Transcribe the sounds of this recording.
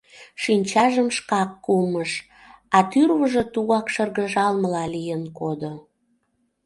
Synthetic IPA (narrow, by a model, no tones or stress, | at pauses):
ʃinʲt͡ɕɑʒəmʃkɑkːuməʃ | ɑt̪yrβəʒĕt̪uɣɑkʃərɣəʒɑlməlɑlijənkod̪o